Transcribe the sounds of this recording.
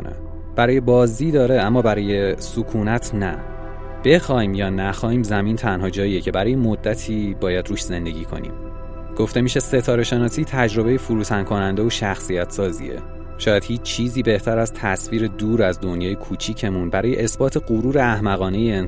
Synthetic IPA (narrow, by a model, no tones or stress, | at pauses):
nḛ | b̥æɾɒːje̞bɒːziːd̪ɒːɾe̞æmːɒːbæɾɒːje̞sukʰuːnæt̪ʰnæ | b̥e̞xɒːiːmjɒːnæxɒːhiːmzæmiːnt̪ʰænhɒːd͡ʒɒːije̞cʰe̞bæɾɒːjemod̪ːæt̪ʰiːbɒːjæd̪ɾuːʃze̞nd̪e̞ɟiːkʰo̞̰nḭːm | ɡ̥o̞ft̪e̞miːʃe̞se̞t̪ʰɒːɾeʃenɒːsiːt̪ʰæd͡ʒɾo̞bejefuɾuːt̪ʰænkʰo̞nænd̪e̞oʃæxsijæt̪ʰsɒːzḭḛ | ʃɒːjæd̪̥hiːt͡ʃt͡ʃʰiːziːbe̞ht̪ʰæɾæz̥t̪ʰæsfiːɾe̞d̪uːɾæzd̪o̞njɒːjekʰuːt͡ʃʰiːcʰe̞munbæɾɒːjeʔesbɒːt̪ʰeɢuɾuːɾeæhmæɣɒːne̞jeːn